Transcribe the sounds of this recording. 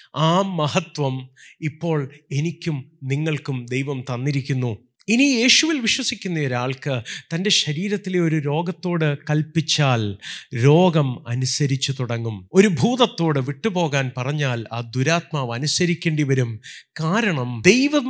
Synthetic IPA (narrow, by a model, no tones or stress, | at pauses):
aːmɐhɐt̪ʋɐmipːo̞ːɭe̞nikʲːumniŋːɐɭkumd̪e̞jʋɐmt̪ɐnːiɾikʲːunːu | inije̞ːɕuʋilʋiɕwɐsikʲːunːɐjoɾaːɭkɨt̪ɐnde̞ɕɐɾiːɾɐt̪ːileo̞ɾuɾo̞ːɡɐt̪ːo̞ːɽɨkɐlpit͡ɕːaːlɾo̞ːɡɐmɐ̰nusɐɾit͡ɕːut̪uɽɐŋːumo̞ɾubʱuːðɐt̪ːo̞ːɽɨʋiʈːɨpo̞ːɣaːnpɐrɐɲːaːlaːd̪uɾaːt̪̚maːʋɐnusɐɾikʲːeːɳɖiʋɐɾumkaːɾɐɳɐmd̪e̞jʋɐ